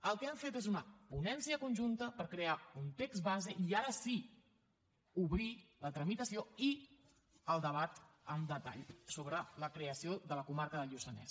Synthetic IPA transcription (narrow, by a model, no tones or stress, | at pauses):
əlˠkɛaɱfet̪ezunəpunɛnsiəkunʲʒunt̪əpəɾkɾeaunt̪ekzβazeʔiaɾəsi | uβɾilət̪ɾəmit̪əsioi | əlˠd̪əβ̞at̪əmd̪ət̪a̰ʎsoβɾələkɾeəsioðələkumaɾkəðəʎusənɛ̰s